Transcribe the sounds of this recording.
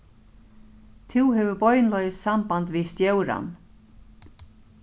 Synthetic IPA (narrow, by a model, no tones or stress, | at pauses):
t̪ʰɪwɦɛvʏbɔjnlɔjɪssambant̪vist̪jœwɾa̰n